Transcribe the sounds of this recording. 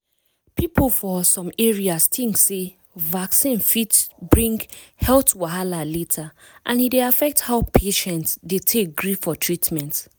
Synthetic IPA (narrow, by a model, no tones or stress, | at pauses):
piplfɔsɔ̃mɛɹiastĩŋkse | vaksĩnfitbɹĩŋɡhɛltwaɦalaletʰa | ʔãnideafɛk̚thaʊpʰeʃɛ̃ntdetʰek̚ɡɹifɔtʰɹitmɛ̃nt